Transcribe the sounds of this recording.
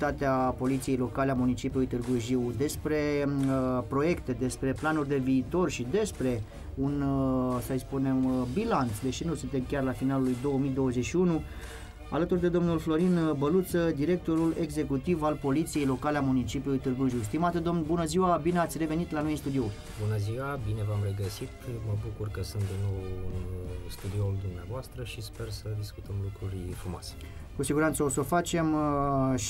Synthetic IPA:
t̪at̪eapo̞lit̪sije̞jlo̞kaleamunit͡ʃipjulujt̪ɨrɡuʒiwd̪e̞spɾe̞ | pɾo̞je̞kt̪e̞d̪e̞spɾe̞planurʲd̪e̞viːt̪o̞rʃid̪e̞spɾe̞ | unsəjspunembilant̪sd̪e̞ʃinusunt̪e̞mkʲarlafinalulujd̪o̞wəmid̪o̞wəze̞t͡ʃʃiunu | a̰lət̪urd̪e̞d̪o̞mnulflo̞ɾinbəlut̪səd̪iɾe̞k̚t̪o̞ɾule̞ɡze̞kut̪ivalpo̞lit̪sije̞jlo̞kaleamunit͡ʃipjulujt̪ɨrɡuʒus̬t̪imat̪ed̪o̞mnbunəziwabineat̪sʲre̞ve̞nit̪lano̞jɨnst̪ud̪io̞ | bunəziwabine̞vamre̞ɡəsit̪məbukurkəsunt̪̚d̪inːo̞wɨnst̪ud̪iold̪umneavoast̪ɾəʃispe̞rsəd̪iskut̪əmlukɾurʲfɾumoa̰se̥ | kusiɡuɾant̪səo̞so̞fat͡ʃe̞m

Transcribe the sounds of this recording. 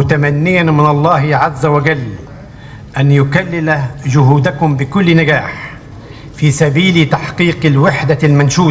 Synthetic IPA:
mʊt̪amanːɪjanmɪnɑlˤːɑːhɪʕazːawad͡ʒalː | ʔanjʊkalːɪlad͡ʒʊhuːd̪akʊmbɪkʊlːnaɡaːħ | fiːsabiːlt̪aħqiːqɪlwɪħd̪almanʃuː

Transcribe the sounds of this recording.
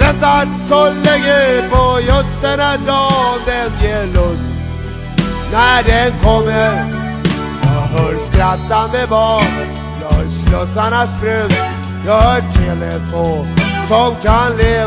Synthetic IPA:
d̪ɛnt̪asɔlɪɡəpʰɔjɵst̪ənad̪ɔːd̪ɛnjeːɭɵst̪ | nædɛnkʰɔmːəɾ | jɑɦœːɾskɾat̪ːanmɛbɑːn | jɔslɔsanast̪ɾʉt̪ | jɑːhœːtʰɛlə̰foːnsɔmkʰanleː

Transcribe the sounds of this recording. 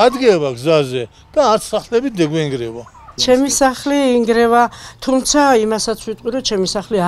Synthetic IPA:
ad̪ɡɛβaɡzazɛ | d̪̥aːɾt̪ʰsaχlɛbit̪d̪ɛɡwɛiŋɡɾɛva | t͡ʃʰɛmisaχliːŋɡɾɛvat̪ʰumt̪sʰaimasat̪sʰwit̪ʼqʼiɾɔt͡ʃʰɛmisaχlia

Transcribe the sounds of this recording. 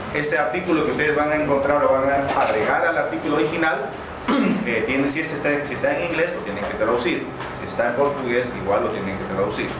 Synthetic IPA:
e̞seaɾt̪ikulokeust̪e̞ðe̞zβaŋaeŋkont̪ɾaɾoɾaβaŋaaɣɾeɣaɾalaɾt̪ikulooɾixinal | et̪jenesiesest̪esiest̪aeŋiŋɡle̞slot̪jeneŋket̪ɾaðusiɾ | siest̪aempo̞ɾt̪uɣe̞sḭɣwalːot̪jeneŋket̪ɾaðusiɾ

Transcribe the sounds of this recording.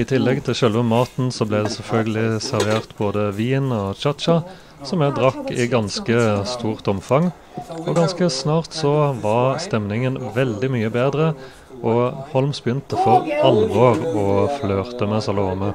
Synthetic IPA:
ɪt̪ʰɪlːɛɡt̪ʰɪlʃœlʋəmɑːt̪n̩sɔblæɪd̪ɛsɛlfœlɡəlɪsæʁʋeːʁt̪boːd̪əʋiːnɔt͡ʃɑt̪ʃɑ | sɔmjæd̪ʁɑkːɪɡɑnskəst̪uːʁt̪ɔmfɑŋ | ɔɡɑnskəsnɑːʁt̪sɔʋɑʁst̪ɛmnɪŋənʋɛld̪ɪmyːəbeːd̪ʁə | ɔhɔlmsbjʏnt̪əfɔʁɑlʋoːʁɔfløːʁt̪əmɛsɑloːmə

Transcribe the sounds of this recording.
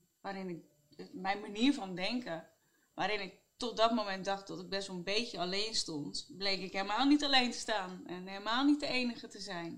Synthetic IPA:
ʋaːɾɪnɪk̚ | mɛjnmaniːəɹvɔndɛŋkə | ʋaːɾɪnɪk̚tɔt̚dɔtmomɛnt̚dɑxt̚dɔtɪɡ̚bɛsʋolˠənbejcjəaleːnstɔntblejkɪkɦelˠmaːlˠnitalejntə̥staːnɛnɦelˠmaːlˠnit̚dəejnəɣətəzɛjn

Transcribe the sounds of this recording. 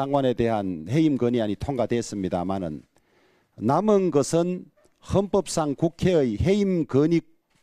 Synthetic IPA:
aŋwane̞deɦanhe̞imɡɯɲiaɲitʰoŋɡadwes͈ɯmɲida̰manɯ̰nː | amɯnɡʌsʰɯn | hʌmpʌp̚s͈aŋkukʰeɯjhe̞imkɯɲik̚

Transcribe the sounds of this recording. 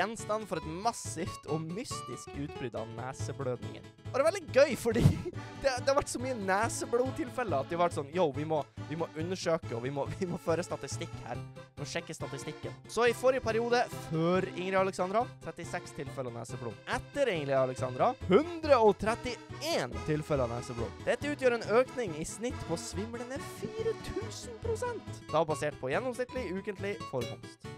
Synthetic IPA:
jɛnst̪ɑnfɔɾɛt̪mɑsɪft̪ʰɔmʏst̪ɪskʉːt̪̚bɾʏd̪ɑ̰næːsəbløːd̪nɪ̰ŋə̰n | ɔɾɛʋɛld̪ɪɡœʏfɔɖiːd̪̥ɛd̪ɛhɑʋæʈːsɔmyːənæːsəbluːt̪ʰɪlfɛlːəɑt̪̚d̪ɪhɑʋæʈːsɔnjuːʋɪmɔʋɪmɔʔʉnːəʂøːkəɔʋɪmɔʋɪmɔføːɾəst̪ɑt̪ɪst̪ɪkːhæ̰ːɾʋɪmɔʂɛkːəst̪ɑt̪ɪst̪ɪkːənsɔɪfɔɾɪəpʰæɾɪuːd̪əføːɾɪŋɾɪɑləksɑnd̪ɾɑt̪ʰɾɛt̪ɪsɛkst̪ʰɪlfɛlɑnæ̰ːsəblo̰ːʔɛt̪ːəɾɪŋɾɪɑləksɑnd̪ɾɑhʉnd̪ɾəɔt̪ʰɾɛt̪ːɪeːnt̪ʰɪlfɛləɑnæ̰ːsəblo̰ːd̪̥ɛt̪ːəʉːt̪jøːɾɛːnøːknɪŋɪsnɪt̪ːpʰɔsʋɪmːlənəfiːɾət̪ʰʉːsən̩pʰɾʊsɛnt̪d̪̥ɑːbɑseːʈ̚pʰɔjɛnːɔmsnɪkt̪lɪʉːkənt̪lɪfɔɾkɔ̰mst̪

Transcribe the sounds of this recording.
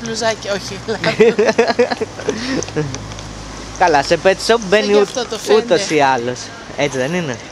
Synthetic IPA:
pluzɐcoçiɐlɐ | kɐlɐsepet̪soubeniuut̪osiɐlos | et͡siðe̞nine

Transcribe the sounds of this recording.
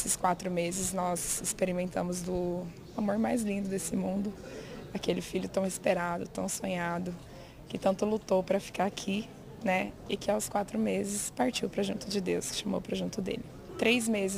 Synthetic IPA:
sɪskwat̪ɾʊmezɪznɔzɪspeɾimẽnt̪ɐ̃mʊzd̪ʊ | amoɾmajzlĩd̪ʊd̪esɪmũnd̪ʊ | akelɪfiʎʊt̪ɐ̃w̃ɪspeɾad̪ʊ̰t̪ɐ̃w̃sõɲad̪ʊ | kɪt̪ɐ̃nt̪ʊlut̪owpɾɐfi̥kaɾakʰi | nɛ | ɪkɪawskwat̪ɾʊmezɪspaɾt͡ʃiwpɾɐʒũnt̪ʊd͡ʒɪd̪ewsʃamo̰wpɾɐʒũt̪ʊd̪ḛlɪ | t̪ɾejzmezɪ

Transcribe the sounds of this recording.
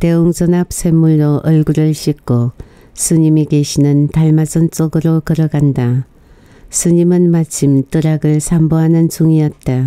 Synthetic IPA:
te̞uŋd͡ʑʌnap̚sʰe̞mːuɭdoʔʌɭɡuɾɯɭɕʰik͈ʰo | sʰɯɲimikeɕʰinɯntaɭmasʌnt͡ɕ͈oɡɯɾokɯɾʌɡanda | sʰɯɲimɯnmat͡ɕʰimt͈ɯɾaɡɯɭsʰamboɦanɯnt͡ɕuŋijʌt̚t͈a

